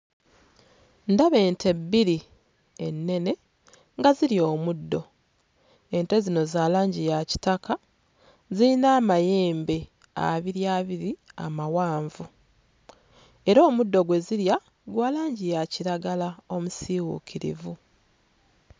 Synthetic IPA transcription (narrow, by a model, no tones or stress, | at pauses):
ndaβe̞ːntʰe̞biɾi | e̞nːe̞ne̞ | ŋɡaziɾjo̞ːmudːo̞ | e̞nte̞zino̞zaːlaːɲɟijaci̥taka | zilinaːmaje̞ːmbe̞ | a̰βiɾjaːβiɾia̰mawaːɱvu | e̞ɾo̞ːmudːo̞ɡwe̞ziɾja | ɡwaːlaːɲɟijaciɾaɡalao̞musiːwṵkʰiɾḭvu